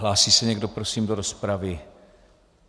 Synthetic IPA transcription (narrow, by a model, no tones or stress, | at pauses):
laːsiːsɛɲɛɡdopɾosiːmdoɾospɾavɪ